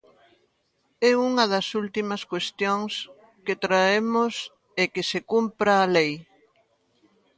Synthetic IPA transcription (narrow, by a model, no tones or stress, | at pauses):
ɛuŋɐðɐsult̪imɐskwest̪joŋs | ket̪ɾaemos | ɛkesekumpɾaːlej